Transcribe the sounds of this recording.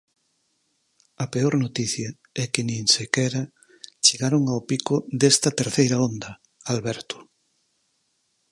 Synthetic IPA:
ɐpeoɾnot̪iθjɐ | ɛkɪnĩŋsekɛɾɐ | t͡ʃeɣaɾoŋawpikʊd̪est̪ɐt̪eɾθejɾɐond̪ɐ | alβɛɾt̪ʊ̥

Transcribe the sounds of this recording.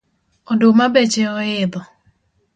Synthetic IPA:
ɔdomabet͡ʃeɔɪd̪ɔ

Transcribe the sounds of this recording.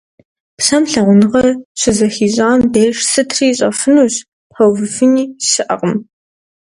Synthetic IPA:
psɐmɬɐʁʷʊnɨʁɐrɕɪzɐxiːʑʼaːndejʂsɨtʰriːɕʼɐ̰fɨnuːɕ | pħɐwvɨfɨniːɕɪʔɐ̰qʼəm

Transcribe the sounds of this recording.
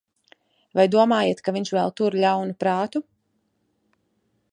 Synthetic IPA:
vajd̪uɔmaːjeɛt̪kaviɲʃvɛlˠt̪uɾʎʲawnupɾaːt̪u

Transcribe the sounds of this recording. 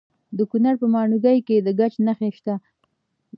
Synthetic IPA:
d̪əkunaɾpəmɑɳuɡajked̪əɡat͡ʃnaxeʃt̪a

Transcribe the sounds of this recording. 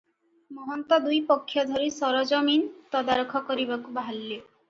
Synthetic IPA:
mɔɦɔnt̪ɔd̪ujpɔkʰːjɔd̪ʱɔɾisɔɾɔd͡ʒɔmint̪ɔd̪aɾokʰɔkɔɾibakubaalːe

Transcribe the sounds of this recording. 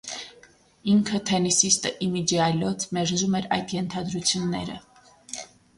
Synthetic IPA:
iŋkʰət̪ʰɛnisist̪əʔimid͡ʒiɑlɔt̪ʰmɛɾzumɛɾɑ̰jd̪jɛnt̪ʰɑd̪ɾut͡sʰjunːɛ̰ɾə̰

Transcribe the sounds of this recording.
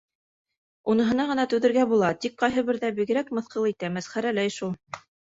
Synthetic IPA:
unɤ̆ɦɤ̆nɑʁɤ̆nɑt̪ʉðɘ̆ɾɡæbulˠɑt̪ik̚qɑjɦɤβɘ̆ɾðæbiɡɘ̆ɾækmɤ̆θqɤlˠit̪æmæsχæɾælæjʃulˠ

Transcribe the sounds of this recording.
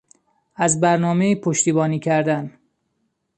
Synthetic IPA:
æzbæɾnɒːme̞iːpʰoʃt̪iːbɒːniːcʰæɾd̪æn

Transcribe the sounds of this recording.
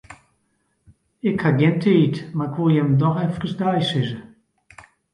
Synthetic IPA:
ɪkhaɡɪntʰəitmaɪkʋolˠjɛmdɔxɛfkəsdajsɪzə

